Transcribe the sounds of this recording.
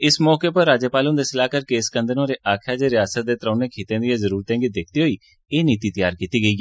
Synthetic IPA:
ɪsmɔːkeːpəɾːaːd͡ʒəpaːlõnd̪eːsɪlaːkəɾkeɪskə̃nd̪ənõːɾeːʔaːkʰjaːd͡ʒeːɾɪjaːsət̪̚d̪eːt̪ɾãːneːkʰiːt̪ẽːd̪ijazəɾuːɾt̪ɛ̃ːŋɡiːd̪eːkʰd̪iːɦoiː | eːniːt̪iːt̪əjaːɾkiːt̪iːɡəiːɡi

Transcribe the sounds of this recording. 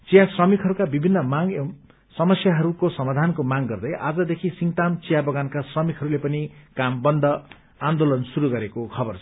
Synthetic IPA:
t͡sijasrʌmikʰɦʌɾukabibʱinːʌmaŋ | sʌmʌsjaɦʌɾukosʌmad̪ʱankomaŋɡʌrd̪ʌjʔa̰d͡zʌd̪ekʰisiŋt̪amt͡sijabʌɡankasrʌmikʰɦʌɾulepʌnikambʌnd̪ʱʌ | and̪olʌnsuɾuɡʌɾekokʰʌbʌrt͡sʰʌ

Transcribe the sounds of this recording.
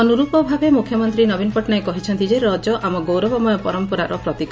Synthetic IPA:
ɔnuɾupɔbʱabemukʰjɔmɔnt̪ɾinɔbinɔpɔʈnaekɔɦit͡ʃʰɔnt̪id͡ʒeɾɔd͡ʒɔʔamɔɡowɾɔbɔmɔjɔpɔɾɔmpɔɾaɾʔɔpɾɔt̪ik

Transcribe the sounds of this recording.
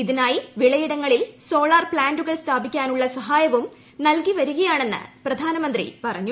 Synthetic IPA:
iðinaːjiʋiɭɐjiɽɐŋːɐɭilso̞ːɭaːrpɭaːnɖuɣɐɭst̪ʰaːbikʲːaːnuɭːɐsɐɦaːjɐʋum | nɐlkiʋɐɾuɣɐjaːɳe̞nːɨ̰prɐd̪ʱaːnɐmɐnd̪rḭpɐrɐɲːu

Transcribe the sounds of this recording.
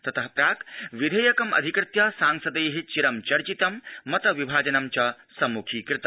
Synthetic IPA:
t̪ɐt̪ɐɦpɾʲaːkʋid̪ʱɐjɐkɐmɐ̰d̪ʱikɾɪt̪jasaːŋsɐd̪ɐjɦit͡ʃiɾɐmt͡ʃɐɾt͡ʃit̪ɐmːɐt̪ɐʋibʱaːd͡ʒɐnɐmt͡ʃɐ | sɐmukʰiːkɾɪt̪ɐ

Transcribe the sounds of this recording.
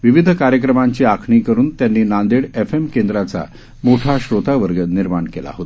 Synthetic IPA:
ʋiʋid̪ʱəkaɾjək̬ɾəmaɲt͡ɕiːakʰɳiːkəɾuːnt̪janːiːnand̪eɽefemkend̪ɾat͡sa̰ | moʈʰaɕɾot̪aʋəɾɡət̪niɾmaɳkela̰ɦot̪

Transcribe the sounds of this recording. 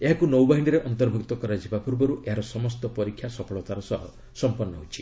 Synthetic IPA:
eɦakunɔwbaɦiniɾeʔɔnt̪ɔɾbʱuk̚t̪ɔkɔɾad͡ʒibapuɾbɔɾuʔeɦaɾɔsɔmɔst̪ɔpɔɾikʰːjasɔpʰɔɭɔt̪aɾɔsɔɦɔ | sɔmpɔnːɔɦut͡ʃʰi̥

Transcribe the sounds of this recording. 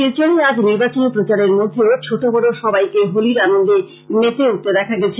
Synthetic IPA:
iɾt͡ɕoɽiad͡ʑniɾbat͡ɕonepɾot͡ɕaɾeɾmod̪ʱːeot͡ɕʰoʈobɔɽoʃɔbajkeɦoliɾanond̪e | met̪eut̪ːed̪ɛkʰaɡɛt͡ɕʰe

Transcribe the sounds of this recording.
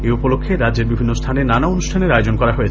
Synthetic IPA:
eupolokʰːeɾadd͡ʑeɾbibʱinːost̪ʰanenanaonuʃʈʰaneɾajod͡ʑonkɔɾaɦoet͡ɕʰ

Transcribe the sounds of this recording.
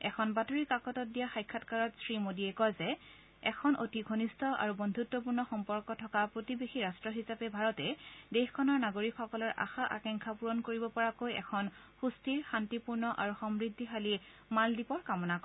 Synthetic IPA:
ɛkʰɔnbatoɹikakɔtɔt̚dijaxajkʰːatkaɹɔtsɹimodiɛkɔjzɛ | ɛkʰɔnʔotiɡʱonistʰɔʔa̰ɹubɔndʱutːɔp̬uɹnɔxɔmpɔɹkɔtʰɔkapɹotibexiɹastɹɔɦisapɛbʱaɹɔtɛdexkʰɔnɔɹnaɡoɹikxɔkɔlɔɹʔa̰xaʔa̰kɛŋkʰapuɹɔnkoɹibɔpɔɹakojɛ̰kʰɔn | xustiɹxantipuɹnɔʔaɹuxɔmɹidʱːiɦali | maldipɔɹkamɔnak

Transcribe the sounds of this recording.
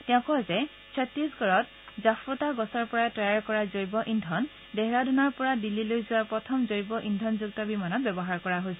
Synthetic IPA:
tɛʊ̃kɔzɛ | sʰɔtɹisɡɔɹɔt̚ | zafɹɔtaɡɔsɔɹpɔɹaɛtɹajaɹkɔɹazoɹjbɔʔindʱɔn | dɛɦɛɹadʱɔnɔɹpɔɹadilːilojzuwaɹpɹɔtʰɔmzoɹjbɔʔindʱɔnzuɡ̚tɔbimanɔtbɛbɔɦaɹkɔɹaɦojsɛ

